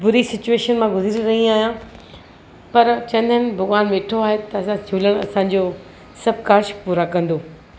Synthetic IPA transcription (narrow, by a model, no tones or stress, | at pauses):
bʊɾisɪt͡ɕueːʃənmãɡʊzɪɾiɾɐɦĩaːɦijã | pɐɾt͡ɕɐ̃nd̪ʱənɪbʱɐɣʋaːnʋeːʈʰoaːɦet̪ɐɐsãt͡ɕʰuːləɽ̃ɐ̰sãɲd͡ʑoː | sɐb̚ʱkaːʃpuːɾakɐ̃nd̪oː